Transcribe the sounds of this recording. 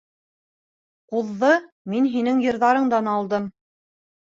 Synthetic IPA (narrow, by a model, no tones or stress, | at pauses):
quðːɤ | minɦinɘŋjɤ̆ɾðɑɾɤɴd̪ɑnɑlˠd̪ɤm